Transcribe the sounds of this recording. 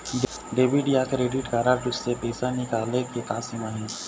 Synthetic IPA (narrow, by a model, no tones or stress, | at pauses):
ɖeːbiɖijakɾeːɖɪʈkaːɾaɾd͡ʒʊssepeːsanikaːleket̪aːsimaɦɛ̃ː